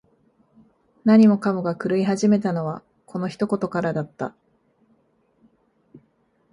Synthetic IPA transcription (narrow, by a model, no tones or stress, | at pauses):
naɲ̟imo̞kamoɡakɯ̟ɾɯ̟iɦaʑime̞t̪ano̞βa | kʰo̞no̞çi̥t̪o̞ko̞t̪o̞kaɾad̪at̪ːa̰